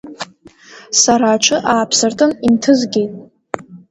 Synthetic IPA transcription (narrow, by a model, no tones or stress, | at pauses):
saɾaːʈ͡ʂʷʰɨʔaːpʰsɨrtʼɨnintʰɨzɡʲe̞jtʼ